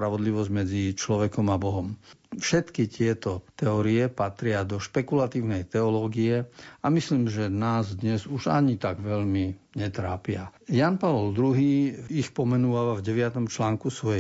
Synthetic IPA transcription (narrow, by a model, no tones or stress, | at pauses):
pɾaʋɔd̪liʋɔzɟmɛd͡zit͡ʃlɔʋɛkɔmabɔɦɔmfʃɛt̪kit̪ɪɛt̪ɔt̪ɛɔɾiɛpat̪ɾɪad̪ɔʃpɛkulat̪iːʊnɛjt̪ɛɔlɔːɡiɛamisliːmʒɛnaːzd̪ɲɛzuʒa̰ɲit̪aɡʋɛʎmiɲɛt̪ɾaːpɪajaːnpaʋɔld̪ɾuɦiːixpɔmɛnuʋaʋavɟɛʋɪat̪ɔmt͡ʃlaːŋkusʋɔjɛ